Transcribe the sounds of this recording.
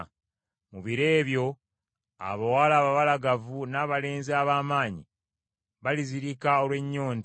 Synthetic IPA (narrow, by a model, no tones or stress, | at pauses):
muβiɾe̞ːβjo̞ | a̰βawaːlaːβaβalaɡavunaːβale̞ːnzaβaːmaːɲḭ | βaliziɾikao̞lwe̞ɲːo̞ːn